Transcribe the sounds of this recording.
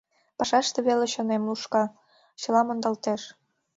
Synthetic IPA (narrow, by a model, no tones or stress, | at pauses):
pɑʃɑʃt̪eβeleɕonemluʃkɑ | t͡ɕɤ̆lɑmond̪ɑlt̪eʃ